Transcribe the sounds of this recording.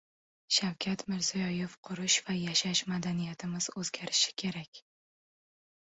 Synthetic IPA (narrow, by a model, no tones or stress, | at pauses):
ʃawkʲʰat̪mɪɾz̥ijɒjefqʰʊɾɪʃvajaʃaʃmad̪anijat̪ʰɪmɪz̥ɵzɡʲaɾɪʃɪ̥kʲʰe̞ɾakʲ